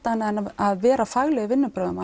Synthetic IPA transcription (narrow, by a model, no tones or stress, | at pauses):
t̪anaɛnaðvɛːɾafaɣlɛɣɪvɪnːʏpɾœːðʏma